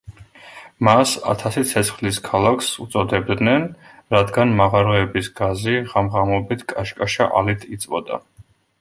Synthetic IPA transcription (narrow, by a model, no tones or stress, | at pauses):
masa̰t̪ʰasit̪sʰɛt̪sʰχliskʰalˠakʰsut̪sʼɔd̪ɛbd̪nɛn | ɾad̪ɡanmaʁaɾɔɛbisɡaziʁamʁamɔbit̪ʰkʼaʃkʼaʃa̰ʔalit̪ʰit̪sʼvɔd̪a̰